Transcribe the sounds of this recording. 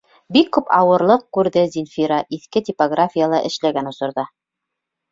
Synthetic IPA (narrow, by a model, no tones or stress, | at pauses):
bikːʉpʰɑwɤ̆ɾlˠɤq̚kʉɾðɘzinfʲiɾɑʔiθkɘt̪ʲipɐɡrafʲijalˠɑʔɘ̆ʃlæɡænŏsŏɾðɑ